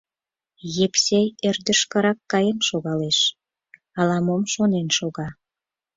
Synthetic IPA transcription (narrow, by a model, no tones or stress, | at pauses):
jepsejerd̪əʃkə̆ɾɑkːɑjemʃoɣɑleʃ | ɑlɑmomʃonenʃoɣɑ